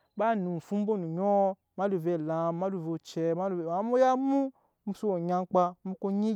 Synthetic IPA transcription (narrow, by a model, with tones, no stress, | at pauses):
ba˦nu˨fu˦m̩˦bo˦nu˨ɲɔ˦ | ma˦lu˨ve˨la˨ma˦lu˨vo˨t͡ʃɛ˨ma˦˨a˨˦mo˦ja˦mũ˦ | m̩˦su˦o˨ɲa˧ŋ˦k͡pa˧˦mu˦ko˦ɲi˦